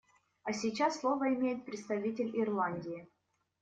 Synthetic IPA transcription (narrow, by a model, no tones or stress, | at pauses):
ɐsʲit͡ɕasːlˠo̞vəɪmʲejɪt̪̚pɾʲɪt̪st̪ɐvʲitʲɪlʲɪrlˠanʲdʲɪjɪ